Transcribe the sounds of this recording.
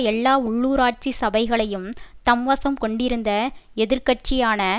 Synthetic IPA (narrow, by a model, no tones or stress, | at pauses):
ɛlːaːʊɭːuːɾaːʈ̚t͡ʃisɐbɐɪɣɐɭɐjɯmt̪ɐmʋɐsɐmkɔɳɖɪɾɯnd̪ɐɛðɪɾkɐʈ̚t͡ʃɪjaːnɐ